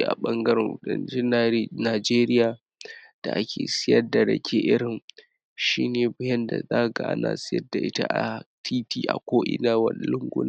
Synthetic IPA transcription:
ʔa̰˨ɓɐ˦ŋɡɐ˦ɾɛ˨ŋwɐ˨ɗɐ̰˦nt͡ʃɛ˦n˨naː˨d͡ʒeː˦ɾɪ˦jaː˨ | d̥a̰˨ʔa˦kʲʰḛː˨sɪ˦jɐ˦da˨ɽɐ̰˨kʲʰe˦ʔɪ˦ɽɪ˨n | ʃiː˦neː˨bʊ˦jɐ˦nda̰˨zaː˦˨ɡa˨ʔa̰˦na̰ː˨sɪ˦jɐ̰˦da˨ʔɪ˦ta̰˦ʔa˨tʰiː˦tiː˦ʔa̰˨kʷoː˦ʔɪ̰˦naː˦wɐ̰˦n˦˨lʊ˦ŋɡʷʊ̰˦na˦

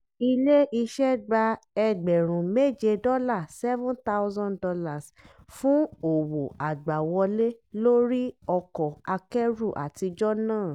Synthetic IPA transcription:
i˧le˦i˧ʃɛ˦ɡ͡ba˧ɛ˧ɡ͡bɛ˨ɾ̃ũ˨me˦˨d͡ʒe˧dɔ˦la˦˨sɛ˦vũ˦nt̪a˦ʊ˦zɔ̃˦ndɔ˧la˦˨s | fũ˦o˨wo˨ʔa˨ɡ͡ba˨wɔ˧le˦lo˦ɾi˦ɔ˧kɔ˨a˧kɛ˦ɾu˦˨ʔa̰˨ti˧d͡ʒɔ˦nãː˦˨

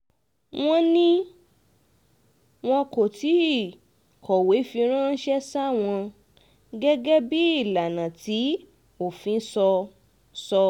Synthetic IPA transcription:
w̃ɔ̃˧nĩ˦ | w̃ɔ̃˧ko˨ti˨˦˨ | kʰɔ˨we˨˦fi˧ɾ̃ã˦n̩˦ʃɛ˦sa˦˨w̃ɔ̃˧ | ɡɛ˦ɡɛ˦bi˦i˦˨la˨nã˨ti˨˦ | o˦˨fĩ˨˦sɔ˧ | sɔ˧

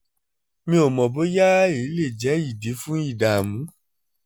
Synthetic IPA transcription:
mĩ˦o˨mɔ̃˨bo˨˦ja˦i˨˦le˦˨d͡ʒɛ˨˦i˦˨di˨˦fũ˦i˦˨da˨mũ˨˦

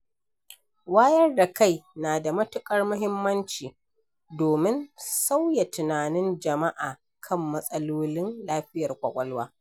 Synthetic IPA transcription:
waː˦jɐ˦rda˨ka˦˨jnaː˨da˨mɐ˦tʊ˦kʼɐ˦rmʊ˦ɦɪ˦mːɐ˦nt͡ʃiː˨ | doː˨mɪ˦nsa˦wja˨tɪ˨naː˨nɪ˦nd͡ʒɐ˨ma˦ʔaː˨ | kʰɐ˦mːɐ˦sʼɐ˦loː˦lɪ˦nlaː˦ɸɪ˦jɐ˨rkʷʼɐ̰˨kʷʼɐ˦lwaː˦

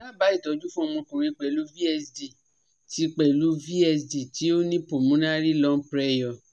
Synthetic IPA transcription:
la˦˨ba˨˦i˦˨tɔ˨˧d͡ʒu˦fũ˦˧˨mɔ̃˧kũ˨ɾ̃ĩ˧k͡pɛ˨lu˨˦vi˦ɛ˧sdi˨ | ti˦k͡pɛ˨lu˨˦vi˦ɛ˧sdi˨ti˨˦o˦nĩ˦põ˨mũ˨˦nã˦ɾi˦lɔ˦pɾɛ˦jɔ˨

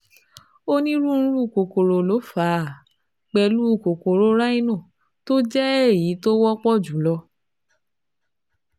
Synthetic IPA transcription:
o˦nĩ˦ɾũ˦˧ñ̩˦ɾu˦˨ko˨ko˨ɾo˨lo˨˦fa˨˦˨ | k͡pɛ˧lu˦u˦˨ko˨ko˨ɾo˨˦ɾa˦i˦˧nɔ̃˦˨ | to˦d͡ʒɛ˦ɛ˦˨ji˨˦to˦wɔ˦k͡pɔ˦˨d͡ʒu˨˦lɔ˧

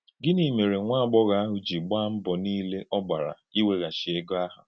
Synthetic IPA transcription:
ɡɪ˦ni˨me˨ɾe˨ŋʷa˦˨ɡ͡bɔ˦ɣa˦a˦ɦʊ˨d͡ʒi˨ɡ͡ba˦m̩˦bɔ˨niː˦le˦ʔɔ˦ba˨ɾa̰˨i˦we˦ɣa˨ʃɪ˨e˦ɡo˦a˦ɦʊ˨

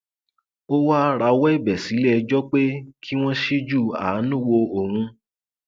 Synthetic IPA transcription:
o˦wa˦ɾa˨˦wɛ˦i˦˨bɛ˨si˨˦lɛ˦˧d͡ʒɔ˦k͡pe˦kʰi˦w̃ɔ̃˦ʃi˦d͡ʒu˦˨a̰˨˦nũ˦˨wo˧o˨hũ˧

